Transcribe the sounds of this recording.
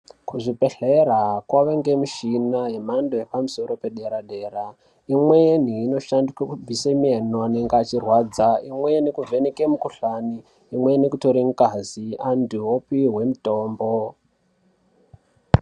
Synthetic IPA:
kuʐipe̞ɬeɾakwaʋeŋɡe̞miʃinaɦe̞mando̞jepamuso̞ɾo̞pe̞ɗeɾaɗe̞ːɾa | imwen̤iːno̞ʃandikwekub͡visemienoane̞ŋɡeat͡ʃirwaːd͡zaimwe̞nekuvʱe̞nekemukuɬaniː | mwe̞nekuto̞ɾim̩ukazianduopiɦwe̞muto̞ːmbo

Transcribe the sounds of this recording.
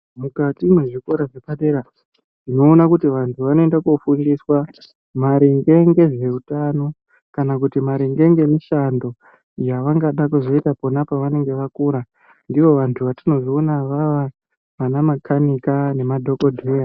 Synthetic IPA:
mukatimweʐiko̞ɾaʐepaɗeɾa | nino̞ːnakutiʋantʰuʋano̞e̞ndakufuŋɡiswa | maɾiŋɡe̞ŋɡe̞ʐe̞utano̞ | kanakutimaɾiŋɡe̞ŋɡe̞miʃando̞ | jaʋaŋɡaɗakuzo̞itapo̞napaʋane̞ŋɡe̞ʋakuɾa | ndiʋo̞ʋantʰuʋatino̞zoːnaʋaʋa | ʋanamakʰanikane̞madʱo̞ko̞dʱuja

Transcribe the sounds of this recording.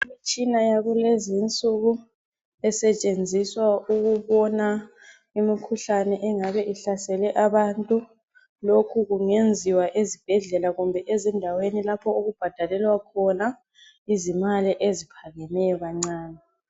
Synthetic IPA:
imit͡ʃʼinajaɣulezint͡sʼuɣu | ɛsɛt͡ʃʼend͡zʱiswauɣuβɔna | imikʰuɬanɛʔɛŋaβɛʔiɬasɛlɛʔaβantʼu | lokʰuɣuŋend͡zʱiwaʔezib̥ʱɛɮɛlaɣumbʱɛʔezindʱawenilapʰɔuɣub̥ʱad̥ʱalɛlwakʰɔna | izimaliʔezipʰaŋɛnɛjɔɣaŋ͡ǀaːna

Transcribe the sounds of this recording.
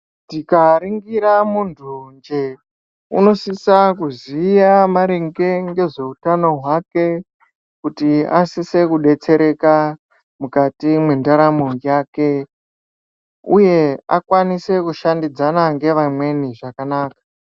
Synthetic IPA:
tikaɾiŋɡiɾamuntʰund͡ʒe̞ | ṵno̞sisakuzijamaɾeŋɡe̞ŋɡe̞ʐe̞utano̞ɦwake | kutia̰sise̞kuɗe̞t͡se̞ɾe̞ka | mukatimwendaɾamojaːke̞ | uje̞a̰kwanise̞kuʃandid͡zanaŋɡe̞ʋamwe̞niʐakanaːkḁ

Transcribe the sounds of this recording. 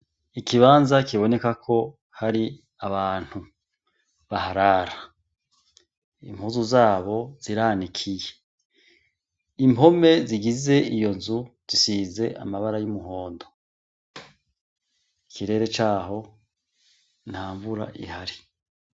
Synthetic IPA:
ikiβaːnzakiβo̞ne̞kakʰo̞ | haɾi | aβaːn̥hu | βahaɾaːɾa | ḭmhuzuzaːβo̞z̥iɾaːnikʰije̞ | imo̞me̞ziɡize̞ijo̞nzuz̥isiːze̞ʔa̰maβaɾajumuɦo̞ːndo̞ | ikiɾe̞ːɾe̞t͡ʃaːɦo̞ | n̥haːɱvuɾa̰ʔḭhaɾi

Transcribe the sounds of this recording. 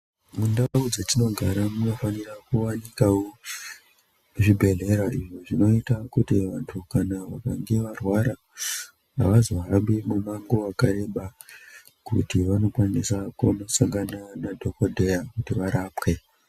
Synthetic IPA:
mundaud͡zetino̞ɡʱaɾamuno̞fanirakuwanikawo | ʐibʱe̞ɮe̞ɾaʔiʐo̞ʐino̞itakutiʋantʰukanaʋakaŋɡe̞ʋarwaɾa | a̰ʋazoɦambimumaŋɡo̞wakaɾe̞ɓa | kṵtiʋano̞kwanisakumasaŋɡananadʱo̞ko̞dʱe̞jakutiʋaɾapwe̞

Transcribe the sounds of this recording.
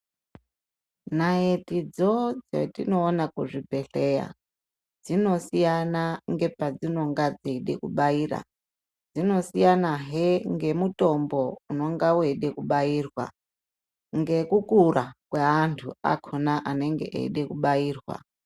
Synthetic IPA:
naetid͡zod͡zḛtino̞ːnakuʐibʱe̞ɬeja̰ | d͡zino̞sijanaŋɡe̞pad͡zino̞ŋɡad͡zeɗḛkuɓaiːra̰ | d͡zino̞sijanaɦeŋɡe̞mutʼo̞mbouno̞ŋɡaweɗekuɓaiːrwa̰ | ŋɡe̞kukurakweɦantʰua̰kʰonaʔane̞ŋɡḛʔḛiɗekuɓaiːrwa̰

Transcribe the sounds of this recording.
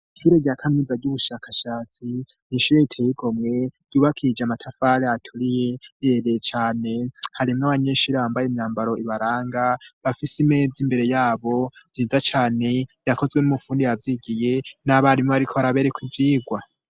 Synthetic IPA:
ʃuɾe̞ɟakʰanizaɟuβuʃakʰaʃaːt͡si | niʃuːɾe̞itʰeːjiɡo̞mŋe̞ɟ̥uːβakʰid͡ʒamatʰafaɾeatʰuɾije̞eɾet͡ʃaːne̞haɾimŋaβaɲe̞ʃuɾaβaːmbajemɲaːmbaɾo̞ʔiβaɾaːŋɡaβafisime̞ːd͡zimbe̞ɾe̞jaːβo̞ziːzat͡ʃaːne̞jakʰo̞zɡwenumufuːndiavjiːɡije̞naβaɾimŋoaɾikʰoaɾaβe̞ɾekwivjiːɡwa

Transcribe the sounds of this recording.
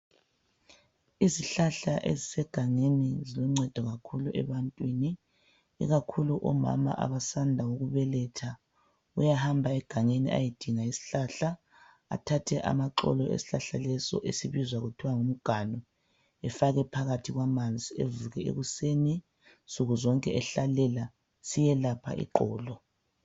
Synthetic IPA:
iziɬaɬa̰ʔḛzisɛɡ̥ʱaŋenizilɔŋ͡ǀɛd̥ʱɔɣakʰuluʔɛ̰βantʼwini | ḭɣakʰuluʔɔ̰ma̰ma̰ʔa̰βasandʱawoɣuβɛlɛtʰa | ujahambʱaɛɡ̥ʱaŋenḭʔa̰jid̥ʱiŋaisi̥ɬaɬa | a̰tʰatʰɛʔa̰maǃɔ̰lɔʔḛsi̥ɬaɬalɛsɔ̰ʔesiβizwaɣutʰiwaŋum̩ɡ̥ʱanɔ | ɛfaɣɛpʰaɣatʰiɣwamand͡zʱiḛvuɣɛḛɣuseːni | sʼuɣuzɔŋkʼɛɛɬalɛla | sijɛlapʰa̰ʔḭǃɔ̰ːlɔ

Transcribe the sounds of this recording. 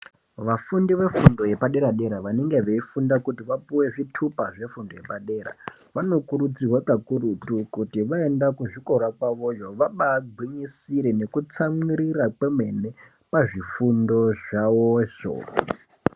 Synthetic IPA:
ʋafundiʋe̞fundo̞je̞paɗe̞ɾaɗe̞ɾaʋaneŋɡe̞ʋeifundakutiʋapuwe̞ʐitʰupaʐe̞fundoje̞paɗe̞ːɾa̰ | ʋano̞kuɾud͡zirwakakurutukutiʋaendakuʐiko̞ɾakwaʋo̞joʋaɓaɡʱwiɲisiɾene̞kut͡samiɾirakemwe̞ne̞ | paʐifundo̞ʐawoʃo̰ː

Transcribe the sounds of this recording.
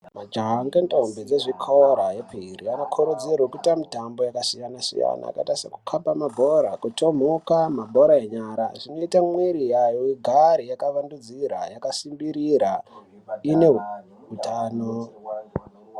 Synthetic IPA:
mad͡ʒaɦŋɡentʼombed͡zeʐikʰoɾajepʰiirianokʰoɾod͡zerwokutamitambo̞jakasijanasḭja̰na̰ːkaitasaku̥kʰapamabʱo̞ɾakutʰo̞m̤ukamabʱoɾaeɲaɾa̰ʐino̞itamwiɾijajoiɡʱaɾijakaʋandud͡ziɾa̰jakasimbiɾiɾa | ine̞ | utʰaːno

